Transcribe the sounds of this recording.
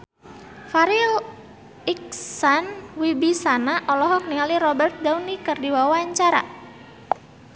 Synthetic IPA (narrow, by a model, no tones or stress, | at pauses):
faɾil | ik̚sanwibisanaʔɔlɔɦɔk̚niŋaliɾɔbərt̪̚dawnikərdiwawaɲt͡ʃaɾa̰